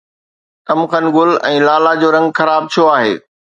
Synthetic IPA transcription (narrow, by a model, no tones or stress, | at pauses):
t̪ɐmxənɪ̆ɡʊlɛ̃ːlaːlad͡ʑoːɾɐ̃ŋɡxɐɾaːb̚t̪ʰijoaːɦḛː